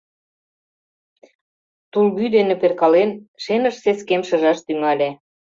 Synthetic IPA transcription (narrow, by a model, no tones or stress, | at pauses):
t̪ulβyd̪enĕperkɑlenʃenə̆ʃseskemʃɤ̆ʒɑʃt̪yŋɑlʲæ